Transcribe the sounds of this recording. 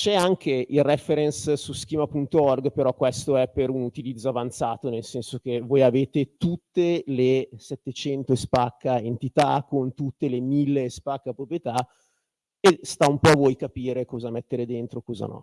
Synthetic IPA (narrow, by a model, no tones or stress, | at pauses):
t͡ʃɛaŋk̟eilrɛfeɾɛnssusk̟iːmapunt̪oɔrɡpeɾɔkːwest̪oɛpːeɾunut̪ilid̪zːoavant̪saːt̪onelsɛnsok̟evoːjaveːt̪et̪ut̪ːelesɛt̪ːet͡ʃɛnt̪ospakːaent̪it̪akːont̪ut̪ːelemilːespakːapɾopɾijet̪a | est̪aumpɔavojkapiːɾekɔːzamɛt̪ːeɾed̪ent̪ɾokɔːza̰nɔ̰